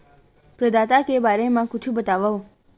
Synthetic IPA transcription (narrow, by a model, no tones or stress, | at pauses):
pɾəd̪at̪akebaɾemãkʊt͡ʃʰũbət̪aʋao